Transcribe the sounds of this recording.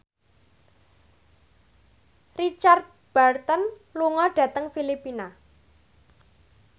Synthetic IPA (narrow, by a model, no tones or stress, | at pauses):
rit͡ʃard̪̚ | b̥art̪ɔnluŋɔɖ̥ä̤t̪əŋfilipina